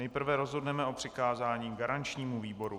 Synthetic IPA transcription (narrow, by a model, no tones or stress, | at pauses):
ɛjpr̩vɛɾo̞zɦo̞dnɛmɛo̞pr̝̥ɪkaːzaːɲiːɡaɾant͡ʃɲiːmuviːbo̞ɾu